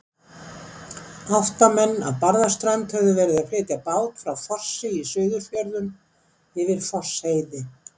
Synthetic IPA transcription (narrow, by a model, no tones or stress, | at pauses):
aft̪amɛnːa̰ðpaɾðast̪ɾajmt̪hɛvðʏvɛːɾɪðaflɪːt̪japaːwt̪fɾawfɔr̥sɪisʏːɥðʏfjœɾðʏm | ɪvɪɾ̥fɔr̥sheːjðɪ